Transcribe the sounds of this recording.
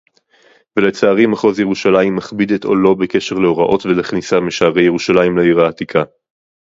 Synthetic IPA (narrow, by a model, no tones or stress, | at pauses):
velet͡saːʁimaχozje̞ʁuʃalaimːaχbid̪eto̞̰lo̞beke̞ʃe̞ʁleo̞ʁaʔo̞tvelaχnisamiʃaːʁe̞jeʁuʃalaimleiʁaːt̪ikʰa